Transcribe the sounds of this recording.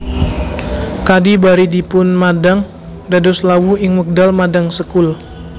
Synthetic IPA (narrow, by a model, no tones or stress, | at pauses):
kadibaɾidipʊnmadaŋ | dadɔslawuɪŋmək̚dalmadaŋsəkʊl